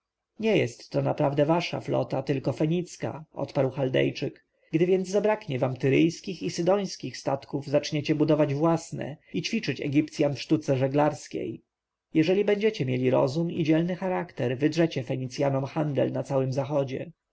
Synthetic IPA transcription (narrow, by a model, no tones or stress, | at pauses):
ɲɛjɛst̪ːɔnapɾavd̪ɛvaʂa̰flɔ̰t̪at̪ɘlkɔfɛɲit̪ska̰ʔɔ̰t̪paɾwxald̪ɛ̰jt͡ʂɘk | ɡd̪ɘvʲjɛnd̪zzabɾakɲɛvamt̪ɘɾɘjskʲixisɘd̪ɔ̃j̃skʲixst̪at̪kuvzat͡ʂɲet͡ɕɛbud̪ɔvad͡ʑvwasnɛ̰it͡ɕfʲit͡ʂɘt͡ɕɛ̰ɡʲip̚t̪sʲjanfʂt̪ut̪sɛʐɛɡlaɾskʲḛj | jɛʐɛlʲibɛɲd͡ʑɛt͡ɕɛmʲjelʲiɾɔ̰zumḭd͡ʑɛlnɘxaɾakt̪ɛɾvɘd̪ʐɛt͡ɕɛfɛɲit̪sʲjanɔmxand̪ɛlnat̪sawɘmzaxɔd͡ʑɛ̰